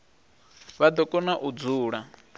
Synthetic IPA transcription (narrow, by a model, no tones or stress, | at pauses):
βad̪ɔkʼɔnaʔud͡zuːɺa